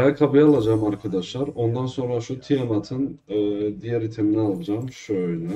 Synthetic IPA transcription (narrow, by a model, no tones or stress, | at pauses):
jakʰabɯjalˠad͡ʒaːmaɾkʰad̪aʃlˠaɾo̞nd̪anso̞nɾaʃut̪ʰijamat̪ʰɯnɯd̪ijɛɾit̪ʰeminɛalˠad͡ʒamʃøøjnɛ